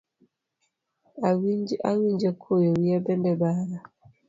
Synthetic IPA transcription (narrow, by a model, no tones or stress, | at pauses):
awiawiɲd͡ʒɛkʰojowiabɛndɛbaːɾa